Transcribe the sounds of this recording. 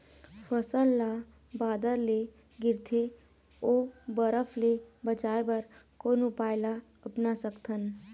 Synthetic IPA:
pʰəsəlːa | baːd̪əɾle | ɡɪɾt̪ʰe | obəɾəpʰlebət͡ʃaːebəɾkonupaːɪla | əpnasəkt̪ʰən

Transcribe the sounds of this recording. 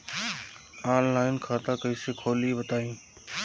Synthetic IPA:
aːlːaːɪnkʰaːt̪ãːkəiːseːkʰoːliːbət̪aːjũː

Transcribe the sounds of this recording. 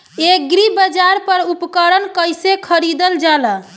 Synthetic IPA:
ek̚ɡɾibəd͡ʒaɾpəɾupkəɾənkəjsekʰəɾid̪əld͡ʒalə

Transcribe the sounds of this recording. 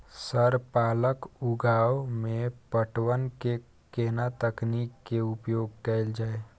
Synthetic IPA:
səɾpaːləkuɡaːwmepəʈwənke | kenat̪əknikːeupjoːɡ̚kɛɪld͡ʒaːe

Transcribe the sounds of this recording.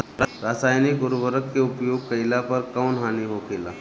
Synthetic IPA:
ɾasaːjnikuɾʋəɾəkːeupjoːɡ̚kəjlapəɾkəwnɦaniɦokela̰

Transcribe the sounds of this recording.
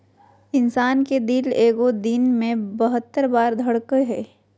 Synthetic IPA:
ɪnsaːnked̪ɪleːɡod̪ɪnmẽbəɦət̪ːəɾbaːɾd̪ʱɐɽkəɦɛː

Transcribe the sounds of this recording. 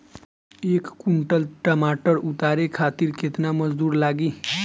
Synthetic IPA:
eːkkuɳʈəlʈəmaʈəɾut̪aɾekʰat̪iːɾket̪naməd͡zd̪uːɾlaɡiː

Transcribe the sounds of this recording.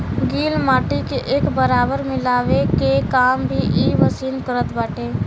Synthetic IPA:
ɡiːlmaːʈikeʔeːkbəɾaːbəɾmɪlaːʋekekaːmbʱiʔiːʋəsiːnkəɾət̪baːʈeː

